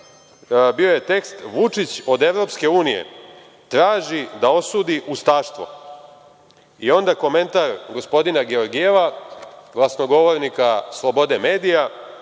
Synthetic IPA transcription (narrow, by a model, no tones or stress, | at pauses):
bio̞je̞t̪e̞kst̪ʋut͡ʂit͡ɕo̞d̪e̞ʋɾo̞pske̞uːnije̞̰ | t̪ɾaːʒid̪ao̞suːd̪iʔust̪aːʃt̪ʋo̞̰ | io̞nd̪ako̞me̞nt̪aɾɡospo̞d̪inaɡeo̞ɾɡijeʋaɡlˠasno̞ɡo̞ʋo̞ɾnikaslˠo̞bo̞d̪e̞me̞ːd̪ija